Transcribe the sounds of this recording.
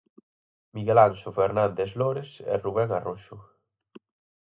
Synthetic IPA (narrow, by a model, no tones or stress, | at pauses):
miɣelansofeɾnand̪esloɾesɛ̰ruβɛŋaroʃʊ